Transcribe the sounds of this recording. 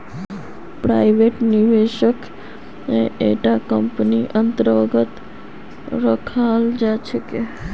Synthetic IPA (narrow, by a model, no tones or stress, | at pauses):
pɾa̰iʋeʈniʋeʃək | neeʈakəmpniʔənt̪ɾəəɡət̪ | ɾəkʰald͡ʒat͡ʃʰeke